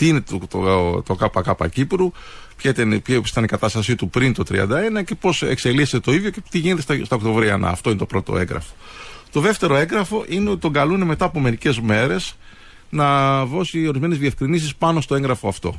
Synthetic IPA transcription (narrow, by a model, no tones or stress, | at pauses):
t̪iine̞t̪t̪ot̪okɐpɐkɐpɐ̰cipɾu | pçɐit̪ɐnisi̥t̪ɐnikɐt̪ɐst̪ɐsit̪upɾint̪o̞t̪ɾḭɐ̰nd̪ɐe̞nɐce̞po̞se̞̰kse̞list̪o̞iðʝo̞cet̪iʝinet̪esst̪ɐokt̪o̞vɾiɐnʔɐ̰ːft̪o̞inet̪o̞pɾo̞t̪o̞̰e̞ŋɡɾɐ̰fo̞̥ | t̪o̞ðe̞ft̪e̞ɾo̞e̞ŋɡɾɐfo̞ʔineo̞t̪i̥t̪o̞ŋɡɐluneme̞t̪ɐːpo̞me̞ɾice̞zme̞ɾe̞s | nɐðo̞sio̞ɾizme̞ne̞zðiefkɾinisispɐnost̪o̞e̞ŋɣɾɐfo̞ɐft̪o̞̰